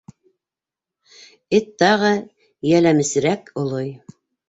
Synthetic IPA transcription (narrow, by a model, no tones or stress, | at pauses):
ɘt̪ːɑʁɤ | jælæmɘ̆sɘ̆ɾækŏlˠoj